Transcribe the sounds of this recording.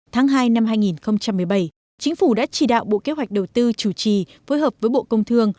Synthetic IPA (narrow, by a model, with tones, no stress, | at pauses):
t̪ʰaː˨˦ŋɦaː˧jna˧mɦaː˧jŋi˨˩nxə˧wŋ͡mt͡ɕa˧mːɨ˨˩əjɓa˧˩j | t͡ɕï˨˦ŋ̟fu˧˩ɗa̰ː˧˥t͡ɕi˧˩ɗa̰ː˧˨wɓo̰˧˨ke˧˥wa˨˩jk̟̚ɗə˨˩wt̪ɨ˧t͡ɕu˧˩t͡ɕi˨˩foː˨˦jɦəː˨˩p̚vəː˨˦jɓo̰˧˨kə˧wŋ͡mt̪ʰɨ˧əŋ